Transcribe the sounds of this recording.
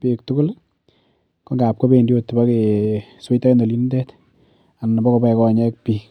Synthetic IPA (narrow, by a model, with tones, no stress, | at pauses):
pi˨k̚tʊ˦kʊ˦l | kɔ˦ŋɡa˨p̚kɔ˦be˦˨ndjo˨tːu˨ba˦ke˨swe˦ta˦no˨li˦ndɛ˦t | a˨na˨bɔ˦kɔ˨bɛ˦kɔ˦ɲɛ˦k̚piː˦k